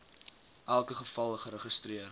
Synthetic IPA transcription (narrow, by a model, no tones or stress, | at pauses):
ʔælˠkəχəfɐlˠəχəɾəχəstriər